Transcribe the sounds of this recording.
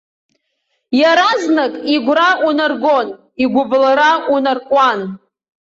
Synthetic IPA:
jaɾaznakʼiɡʷraʔunarɡo̞n | iɡʷʊblaɾaunarkʷʼan

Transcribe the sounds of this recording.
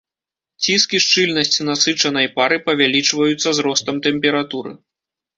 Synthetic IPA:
t͡sʲiskʲiʂt͡ʂɨlʲnɐsʲt͡sʲinasɨt͡ʂɐnɐjpaɾɨpɐvʲalʲit͡ʂvɐjut̪sːɐzɾɔst̪ɐmt̪ɛmʲpʲɛɾat̪uɾɨ̰

